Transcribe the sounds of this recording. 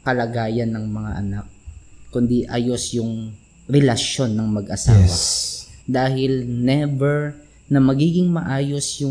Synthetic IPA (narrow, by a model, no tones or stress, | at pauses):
kɐlɐɡaːjɐnːɐŋmɐŋa̰ʔɐnak̚kʊnd̪iʔaːjo̞sjʊŋ | ɾɛlɐʃo̞nːɐŋmɐɡʔɐsaːwɐd̪aːhɪlnɛbɛɹ | nɐmɐɡiːɡɪŋmɐʔaːjo̞sjʊ